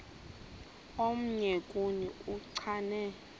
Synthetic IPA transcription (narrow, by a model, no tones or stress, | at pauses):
om̩ɲɛkʼuɲɛuǀʰanɛ